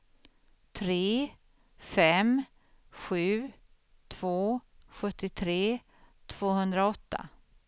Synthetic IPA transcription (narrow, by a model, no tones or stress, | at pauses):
t̪ʰɾeː | fɛm | ɧʉ̟ː | t̪ʰv̥oːɧɵt̪ːɪt̪ʰɾeː | t̪ʰv̥oːɦɵnd̪ɾaɔt̪ːa̰